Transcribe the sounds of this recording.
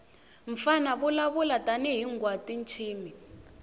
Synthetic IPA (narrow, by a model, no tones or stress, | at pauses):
ɱfanaβulaβulatʼanɛɦiŋɡwatʼint͡ʃʰiːmi